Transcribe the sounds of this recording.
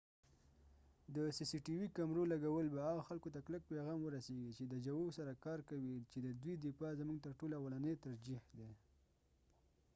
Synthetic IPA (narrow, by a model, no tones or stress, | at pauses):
d̪əsisiʈiwikamɾolaɡawəlbaːɣaxalkot̪aklək̚peɣɑmwəɾaseɡit͡ʃed̪əd͡ʒawosaɾakɑɾkawit͡ʃed̪əd̪wid̪ɪpɑzəmuɡ̚t̪əɾʈolawalanəjt̪aɾd͡ʒihd̪e